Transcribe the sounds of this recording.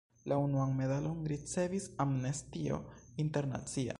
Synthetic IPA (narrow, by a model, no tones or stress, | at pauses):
launuanme̞dalo̞nɾit͡se̞visamnestio̞̰inte̞ɾna̰t͡sia̰